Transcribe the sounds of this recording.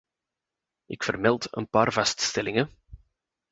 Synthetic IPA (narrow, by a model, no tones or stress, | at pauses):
ɪkfərmɛlˠtə̰npaːrvɑststɛlɪŋə